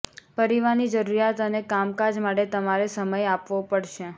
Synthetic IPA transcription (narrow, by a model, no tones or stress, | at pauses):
pəɾiʋaɾnid͡ʒəɾuɾijat̪ənekamkad͡ʒmaʈet̪əmaɾesəməjapʋopəɽʃe